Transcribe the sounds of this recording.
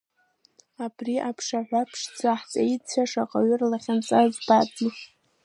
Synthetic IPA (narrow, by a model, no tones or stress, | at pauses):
abriʔapʰʂaħʷapʰʂd͡zaħt͡sʼait͡ɕʷʰaʂaqʼaɥʏrlaχʲant͡sʼazbat͡sʼi